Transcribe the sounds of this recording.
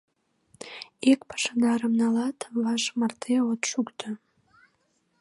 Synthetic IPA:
ekpə̥ʃənɑɾəmnɑlɑt̪βɑʃmɑrt̪ʰeot̪ʃukt̪ʰə

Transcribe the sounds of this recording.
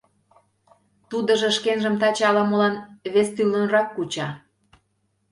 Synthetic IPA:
t̪ud̪ə̆ʒɤ̆ʃkenʒə̆mt̪ɑt͡ɕɑlɑmolɑnβest̪ylənrɑkːut͡ɕɑ

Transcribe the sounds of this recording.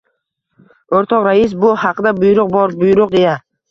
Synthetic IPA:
oɾt̪ʰɒqɾaɪs̬bʊhɑqɨd̪abʊjʊɾʊq̚bɒɾbʊjʊɾʊq̚d̪eja

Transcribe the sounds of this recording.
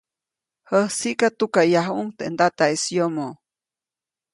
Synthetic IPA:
həhsiʔkat̪ukajaɦuŋt̪end̪at̪aesjomo

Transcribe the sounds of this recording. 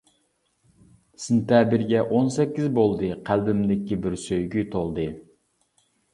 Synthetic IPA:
sɨnt̪ɛːbɪɾɡʲɛʔonsɛkʲːizbolˠd̪ɨqʰælbɪmd̪ɪkʲːibɪɾsøjɡʲyt̪ʰolˠd̪ɨ

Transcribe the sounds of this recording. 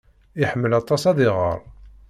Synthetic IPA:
iħəmːəlɑt̪ˤɑsɑðɪʁə̰ɾˤ

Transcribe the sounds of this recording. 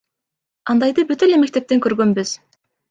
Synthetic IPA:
ɑnd̪ɑjd̪ɯbyt̪eleme̞k̚t̪e̞p̚t̪e̞ŋkøɾɡønbyz̥

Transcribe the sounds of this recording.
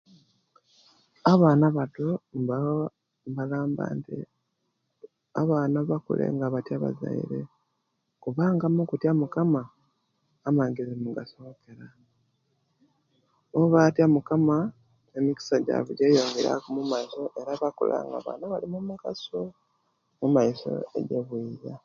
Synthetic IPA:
aβaːnaβatoa | mbalaːmba̰ːntḭ | aβaːnaβakṵlʔe̞̰ŋɡaβatjaβa̰za̰ḭɾe̞̰ | kuβaːŋɡamukutjamukamaː | maɡezimuɡasokeɾa | oβatjamukama | nemiki̥saɟa̰βuɟeːjo̞ːŋɡeɾa̰kumumaiso̞ʔe̞ɾaβako̰la̰ŋɡa̰βa̰naβalimumuɡaso | mumaiso̞̰ḛɟeβwiːja

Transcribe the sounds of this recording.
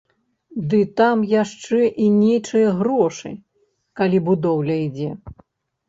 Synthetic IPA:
d̪ɨt̪amjaʂt͡ʂɛʔinʲejt͡ʂɨjɐɣrɔʂɨ̰ | kalʲibud̪ɔwlʲɐid͡zʲɛ

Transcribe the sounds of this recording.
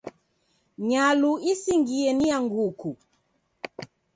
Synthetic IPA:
ɲaluisiŋɡiɛnijaŋɡuku

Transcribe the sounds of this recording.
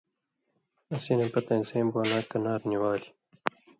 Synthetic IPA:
ɐsinepɐt̪ɐnseːmbualaːkɐnaːɾniwaːli

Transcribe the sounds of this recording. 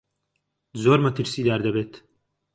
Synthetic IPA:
zoːɾmɐt̪ɨɾsiːd̪aːɾd̪ɐbeːt̪

